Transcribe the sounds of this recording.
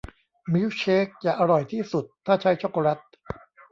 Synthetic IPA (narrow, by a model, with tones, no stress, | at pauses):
mi˦˥wt͡ɕʰeː˦˥k̚t͡ɕaː˨˩ʔa˧ɾɔ˨˩jt̪ʰiː˥˩su˨˩t̪ʰːaː˥˩t͡ɕʰa˦˥jt͡ɕʰoː˥˩ko˧ɾa˦˥t̪̚